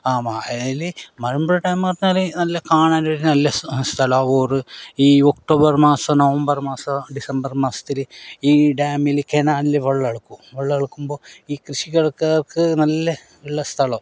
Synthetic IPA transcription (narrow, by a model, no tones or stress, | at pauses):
aːmaːɐaːjilɨmɐɻɐmbɐɻɐʈaːmkɐrɐɲːaːlɨnɐlːɐkaːɳaːnoɾnɐlːɐst̪ʰɐlɐoːrɨiːok̚ʈo̞ːbɐrmaːsɐmnoʋɐmbɐrmaːsɐɖisɐmbɐrmaːsɐ̥t̪ːilɨiːɖaːmilɨkenaːnilɨʋɐɭːɐɐɽukːuʋɐɭːɐɭukːumbo̞ːiːkrɨɕiɣɐɽɐkːɐrkɨnɐlːɐ | ʋeɭːɐst̪ʰɐɭɐ